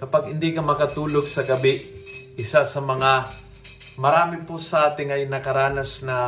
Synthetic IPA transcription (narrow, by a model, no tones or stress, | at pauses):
kɐpaɡhɪnd̪ikɐmɐkɐt̪uːloɡ̚sɐɡɐbɪʔɪsasɐmɐŋa | mɐɾaːmɪpʊsɐʔaːt̪ɪŋɐjnɐkɐɾaːnɐsnɐ